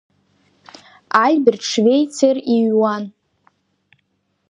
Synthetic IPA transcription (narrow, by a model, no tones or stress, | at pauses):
ajbɪrʈ͡ʂʰvejt͡sʰeriɥwan